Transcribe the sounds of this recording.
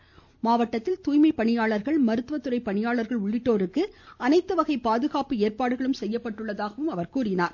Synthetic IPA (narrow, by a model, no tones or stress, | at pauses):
maːʋɐʈːɐt̪ːɪlt̪uːjmɐɪpːɐɳɪjaːɭɐɾɣɐɭmɐɾɯt̪ʋɐt̪ːɯrɐɪpːɐɳɪjaːɭɐɾɣɐɭʊɭːɪʈːoːɾɯkːɯɐnɐɪt̪ːɯʋɐɣɐɪpaːðɯɣaːpɯeːɾpaːɽɯɣɐɭɯmsɛjːɐpːɐʈːɯɭːɐðaːɣɐʋɯmɐʋɐɾkuːrɪnaːɾ